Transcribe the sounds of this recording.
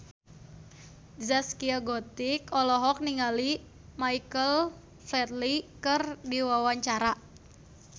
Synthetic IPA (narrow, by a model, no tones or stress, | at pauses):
zaskiaɡot̪ikɔlɔɦɔk̚niŋali | maikəl | flɛt̪likərdiwawaɲt͡ʃaɾa